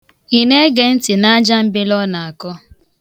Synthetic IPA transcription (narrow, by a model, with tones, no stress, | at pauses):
i˨ne˦ɡe˨n̩˦tɪ˨na˦a˦d͡ʒa˦m̩˦bɪ˦lɔ˦na˨a˨kɔ˦